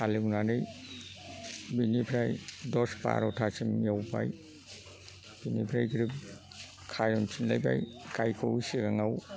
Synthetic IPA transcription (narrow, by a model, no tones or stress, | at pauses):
aliwnanɯj | binipʰɾajdɔspa̰ɾɔtʰasimjawpa̰j | b̥inḭpʰɾajɡɾip̚ | kʰajɔnpʰinlajba̰jkajkʰosiɾaŋaw